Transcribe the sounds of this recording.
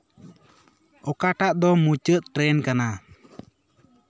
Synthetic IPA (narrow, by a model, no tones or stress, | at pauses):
ɔkaʈaʔd̪ɔmut͡ʃət̪̚ʈɾenkana